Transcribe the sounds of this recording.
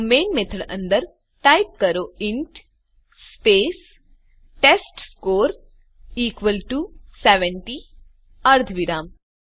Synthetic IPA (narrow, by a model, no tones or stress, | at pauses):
meːnmet̪ʰəɽɐ̰̃nd̪əɾ | ʈajp̚kɐɾoːɪɳʈ | speːs | ʈesʈskoːɾ | iːkʋəlʈuseʋeɳʈi | ɐɾd̪ʱʋiɾaːm